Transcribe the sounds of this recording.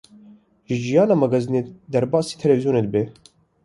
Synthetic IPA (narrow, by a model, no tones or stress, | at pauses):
ʒɨʒijɑːnɑːmɐɡɐzined̪æɾbɑːsi̥ːt̪ʰɛlɛvizjoːned̪be